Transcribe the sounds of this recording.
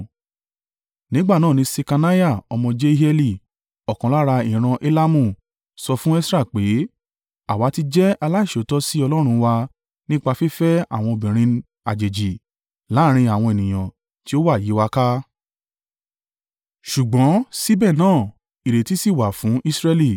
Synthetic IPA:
nĩ˨˦ɡ͡ba˦˨nãː˦˨nĩ˨˧˦se˧ka˧na˦ja˦˨ɔ˧mɔ̃˧d͡ʒe˦ɛ˧li˧˨ | ɔ˨kɔ̃˨la˦ɾa˧i˨ɾ̃ã˧ʔe˦la˦mũ˦˨ | sɔ˧fũ˦ɛ˦sɾa˦˨k͡pe˨˦ | a˦˨wa˨˦ti˧d͡ʒɛ˦a˧la˦i˦˨ʃo˨˦tɔ˦si˦ɔ˧lɔ˦ɾ̃ũ˧wa˧ | nĩ˦k͡pa˧fi˦fɛ˦a̰˦˨w̃ɔ̃˧o˧˨bĩ˨ɾ̃ĩ˧ | a˨d͡ʒe˨d͡ʒi˨ | la˨˦˨ɾ̃ĩ˧a˨w̃ɔ̃˧e˨nĩ˨j̃ã˨ | ti˦o˦wa˦˨je˨˦wa˧ka˦ | ʃu˨ɡ͡bɔ̃˨˦si˦bɛ˦˨nãː˦˨ | i˨ɾe˨ti˨˦si˦˨wa˨fũ˨˦ʔi˦sɾɛ˦li˦˨

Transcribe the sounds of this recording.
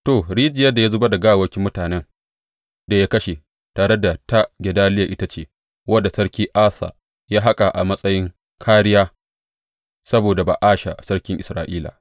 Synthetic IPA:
toː˨ɽiː˦d͡ʒɪ˨jɐ˦da˨ja˦zʊ˦ba˦da˨ɡaː˦˨wɐ˦kʲi˦mʊ˦taː˨nɛ˦ŋ | da˨ja˦kɐ˦ʃe˨ | taː˨ɽe˦da˨ta˦ɡʲɛ˨daː˦lɪ˦ja˨ʔɪ˦ta˦t͡ʃeː˦˨ | wɐ˦dːa˨sɐ˦ɽkʲiː˦ʔaː˦sa̰ː˨ | jaː˦ɦa˦kʼa˨ʔa˨mɐ˦sʼɐ˦jɪ˦ŋ | kʰaː˦ɽɪ˦jaː˦ | sɐ˦boː˨da˨ba̰ː˨ʔaː˦ʃa̰˨sɐ˦ɽkʲɪ˦ŋʔɪ˨sɾa̰ː˨ʔiː˦la̰ː˨

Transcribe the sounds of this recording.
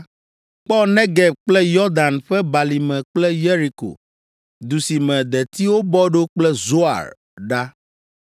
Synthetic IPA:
k͡pɔ˦nɛ̃˦ɡɛ˨b̚k͡plɛ˦jɔ˦d̪a˨nɸɛ˦ba˨li˨mɛ̃˨k͡plɛ˦je˦ɾi˨ko̰˨ | d̪u˨si˨mɛ̃˨d̪ɛ˨t̪i˦wo˦bɔ˦ɖo˦k͡plɛ˦zo˦a̰˨ɾ | ɖa˦

